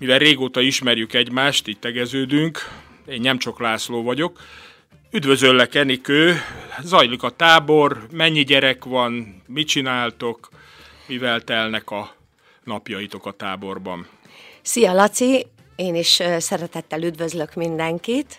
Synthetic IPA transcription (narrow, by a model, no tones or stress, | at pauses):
mivɛlreːɡoːt̪ɒiʃmɛrjykɛɟmaːʃt̪iːɟ̚t̪ɛɡɛzøːd̪yŋk | eːnnɛmt͡ʃoklaːsloːvɒɟo̞k | yd̪vø̞zølːɛkɛnikøːzɒjlikɒt̪aːbo̞rmɛɲːiɟɛɾɛkʋɒnmit͡ʃinaːlt̪o̞k | mivɛlt̪ɛlnɛkɒ | nɒpjɒit̪o̞kɒt̪aːbo̞rbɒ̰n | sijɒlɒt̪si | eːniʃsɛɾɛt̪ɛt̪ːɛlyd̪vøzlø̞kmind̪ɛŋkit̪